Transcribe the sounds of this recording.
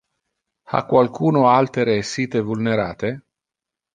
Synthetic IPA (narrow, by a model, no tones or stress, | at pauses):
a̰kːwalkuːnoalt̪eɾesiːt̪evulneɾaːt̪e